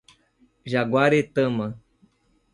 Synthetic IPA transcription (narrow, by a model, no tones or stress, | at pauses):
ʒaɡwaɾet̪əmə